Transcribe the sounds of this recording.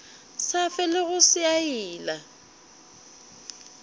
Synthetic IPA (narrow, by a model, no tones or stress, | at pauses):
safɛlɪɣʊsɪaiːla